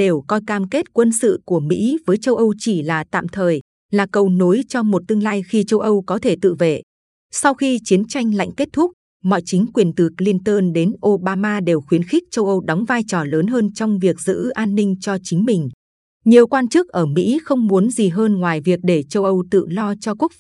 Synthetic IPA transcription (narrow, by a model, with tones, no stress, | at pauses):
ɗe˨˩wkɔ˧jkaː˧mke˦˥t̚kwə˧nsɨ̰˧˨ku˧˩əmḭ˧˥vəː˨˦jt͡ɕə˧wʔə˧wt͡ɕi˧˩laː˨˩t̪a̰ː˧˨mt̪ʰəː˨˩j | laː˨˩kə˧˩wno˨˦jt͡ɕɔ˧mo˨˩t̚t̪ɨ˧əŋlaː˧jxi˧t͡ɕə˧wʔə˧wkɔ˨˦t̪ʰe˧˩t̪ɨ̰˧˨vḛ˧˨ | sa˧wxi˧t͡ɕi˨˦ənt͡ɕa˧jŋ̟la̰˧˨jŋ̟ke˦˥t̚t̪ʰʊ˦˥k͡p̚ | mɔ̰˧˨jt͡ɕï˨˦ŋ̟kwi˨˩ənt̪ɨ˨˩k̚li˧nt̪əː˧nɗe˨˦nʔo˧ɓaː˧maː˧ɗe˨˩wxwi˨˦ənxi˦˥k̚t͡ɕə˧wʔə˧wɗɔ˨˦wŋ͡mvaː˧jt͡ɕɔ˨˩ləː˨˦nɦəː˧nt͡ɕɔ˧wŋ͡mvi˨˩ək̚z̥ɨ̰˧˥ʔaː˧nːï˧ŋ̟t͡ɕɔ˧t͡ɕï˨˦ŋ̟mï˨˩ŋ̟ | ɲi˨˩əwkwaː˧nt͡ɕɨ˦˥k̚ʔəː˧˩mḭ˧˥xə˧wŋ͡mmu˨˦ənzi˨˩ɦəː˧nŋwaː˨˩jvi˨˩ək̚ɗe˧˩t͡ɕə˧wʔə˧wt̪ɨ̰˧˨lɔ˧t͡ɕɔ˧ku˦˥ək̚f